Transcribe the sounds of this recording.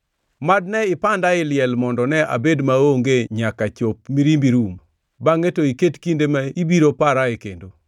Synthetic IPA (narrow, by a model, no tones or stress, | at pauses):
mad̚nɛɪpandaɪlɪjɛlmɔndɔnɛa̰bedmaoŋɡeɲakat͡ʃop̚miɾimbiɾum | baŋetoiketkindemaibiɾopaɾaekḛndo